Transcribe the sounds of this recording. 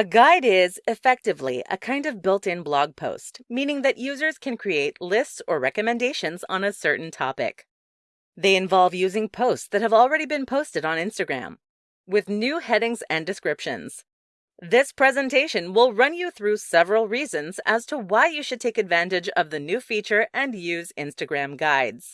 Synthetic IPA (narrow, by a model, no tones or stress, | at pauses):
ɨɡaɪɾɪzɨfɛk̚tɨvlḭʔə̰kʰãɪ̃ndʌvbɪlˠtɪ̃nblɔɡ̚pʰo̰ʊstmĩnɪ̃ŋðɨʔjʉzə˞z̥kʰɨ̃nkʰɹ̥ieɪtˡlɪstsə˞ɹɛkɨmɨ̃ndeɪʃɨ̃nzn̩ɨsɜ˞ʔn̩tʰɑ̰pɪ̰k | ðeɪɨ̃ɱvɑlˠvjʉzɪ̃ŋpʰoʊstsðɨt̚hɨvl̩ˠɹɛɾibɨ̃npʰoʊstɨɾn̩ɪ̃nstɨɡɹæ̰̃m | wɪðnʉhɛɾɪ̃ŋzɨ̃ndɨskɹɪpʃɨ̰̃nz̥ | ðɪspʰɹ̥ɛzɨ̃ntʰeɪʃɨ̃nwɪlˠɹʌ̃njɨθɹʉsɛvɹl̩ˠɹizɨ̃nzɨz̥tʰəwaɪjɨʃɨd̚tʰeɪkɨdvæ̃ntɨd͡ʒʌvðɨnʉfit͡ʃə˞ʔɨ̃njʉzɪ̃nstɨɡɹæ̃mɡaɪdz̥